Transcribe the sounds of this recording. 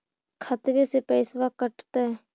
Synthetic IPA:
kʰət̪ʋeːsepɛːsʋaːkəʈt̪ɛː

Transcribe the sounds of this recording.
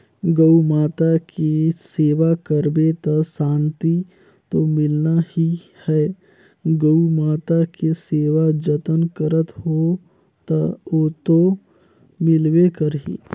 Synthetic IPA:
ɡəwmaːt̪akeseːʋakəɾbet̪əsãːnt̪i | t̪omɪlnahi | hɛ | ɡəumaːt̪akeseːʋad͡ʒət̪ənkəɾət̪ɦo | t̪əoːt̪o | mɪlʋekəɾɦḭ

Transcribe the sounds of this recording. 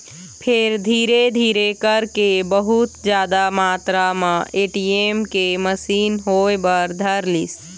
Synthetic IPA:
pʰeɾd̪ʱiːɾed̪ʱiːɾekəɾkebəɦut̪d͡ʒjaːd̪amaːt̪ɾamãʔeːʈiemkeməsiːnɦojbəɾd̪ʱəɾlis

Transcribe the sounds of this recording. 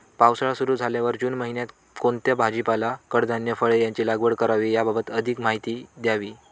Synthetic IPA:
pawsɭasuɾuːd͡zʱaljaʋəɾd͡ʑuːnməɦinjat̪ | kont̪jabʱad͡ʑipalakəɽd̪ʱanjəfəɭejaɲt͡ɕiːlaɡʋəɽkəɾaʋiːjababət̪əd̪ʱikmaɦit̪iːd̪jaʋiː

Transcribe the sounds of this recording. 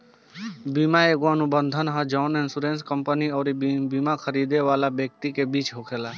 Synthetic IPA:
biːmaeɡʋanubənd̪ʱənɦãd͡ʒɔːnɪnsuɾẽːnskəmpəniɔːɾibiːmakʰəɾiːd̪eʋaːlabjək̚t̪ikebiːt͡ʃɦokʰeːlaː

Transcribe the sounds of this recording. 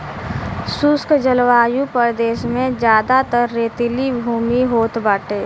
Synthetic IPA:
suskd͡ʒəlʋaːjupəɾd̪eːʃmẽd͡ʒjaːd̪at̪əɾːeːt̪ɪlibʱuːmiɦoːt̪baːʈeː

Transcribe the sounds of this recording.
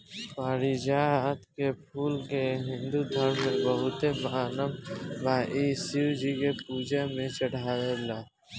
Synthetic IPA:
paːɾid͡ʒat̪kepʰuːlkeɦɪ̃nd̪ud̪ʱəɾmːẽbəɦʊt̪emaːnəmbaːʔisiud͡ʒikepuːd͡ʒamẽt͡ʃəɽ̤aːwelaː

